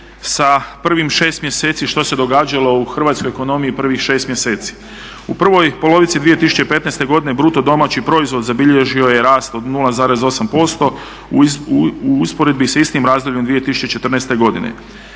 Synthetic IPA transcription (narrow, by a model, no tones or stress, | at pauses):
sapr̩ʋimʃe̞ːst̪mje̞seːt̪siʃt̪o̞se̞d̪o̞ɡaːd͡ʑalo̞uxr̩ʋaːt̪skojeko̞no̞mijipr̩ʋixʃe̞ːst̪mjese̞ːt̪si̥ | upr̩ʋo̞jpo̞lˠo̞ʋit̪sid̪ʋije̞t̪isu̥t͡ɕepe̞t̪nest̪e̞ɡo̞d̪ine̞bɾut̪o̞d̪o̞maːt͡ɕipɾo̞izʋo̞d̪zabiʎe̞ʒio̞je̞ɾaːst̪o̞d̪nulˠazaːɾe̞zo̞sampo̞st̪o̞ | uuspo̞ɾe̞d̪bisaist̪imɾaːzd̪olʎʲend̪ʋije̞t̪isu̥t͡ʃet͡ʃe̞t̪r̩nest̪e̞ɡo̞d̪inḛ